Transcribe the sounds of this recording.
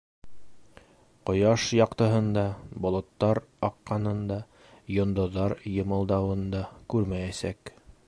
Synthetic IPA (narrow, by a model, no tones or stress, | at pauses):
qŏjɑʃjɑqt̪ɤ̆ɦɤ̆nd̪ɑbŏlˠŏt̪ːɑɾɑqːɑnɤ̆nd̪ɑ | jŏnd̪ŏðːɑɾjɤ̆mɤ̆lˠd̪ɑwɤ̆nd̪ɑkʉɾmæjæsæk